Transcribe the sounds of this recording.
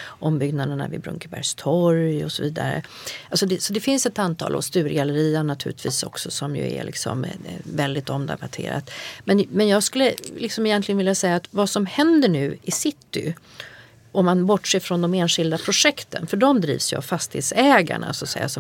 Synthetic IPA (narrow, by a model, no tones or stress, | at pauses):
ʔɔmbʏɡnad̪əɳa̰vɪ̰bɾɵ̰ŋkəbæɾjst̪ʰɔɾjɔsɔviːd̪a̰ɾə̰ | alsɔd̪ɛsɔd̪ɛfɪnsɛt̪ant̪ʰɑ̰ːlʔa̰st̪ʉ̟ːɾɡalːəɾiːaɳat̪ʰʉ̟ːlɪt̪viːsɔ̰ksɔsɔmjɵ̰ɛ̰lɪ̰ksɔ̰mvɛld̪ɪt̪ɔmd̪ɛ̰bat̪ʰḛːɾa̰t̪mɛnmɛnjɑːɡskɵlːəlɪksɔmɪjɛnt̪lɪɡənvɪljasɛjːat̪vasɔmhɛnd̪əɳʉ̟ːɪsɪt̪ːɪ | ʔɔmːanbɔʈːʂɛːfɾɔnd̪ɔmeːnʂɪld̪apʰɾʊʂɛkt̪ʰənfœɖɔmd̪ɾḭːvsjɵa̰vfast̪ɪheːt̪sɛːɡa̰ɳa̰sɔat̪sɛ̰jːasɔ